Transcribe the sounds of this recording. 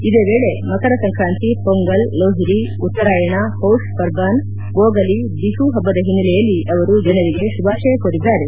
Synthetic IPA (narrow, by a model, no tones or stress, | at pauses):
id̪eːʋeːɭe̞mɐkɐɾɐsɐŋkʰɾaːnt̪ipoŋɡɐlːoːɦiɾi | ut̪ːɐɾaːjɐɳɐhowʂpɐɾɡaːn | ɡoːɡɐli | b̪iɦuɦɐbːɐd̪ɐɦinːilɛjɐlːiɐʋɐɾud͡ʒɐnɐɾiɡe̞subaːʂɐjɐkoɾid̪ːaːɾe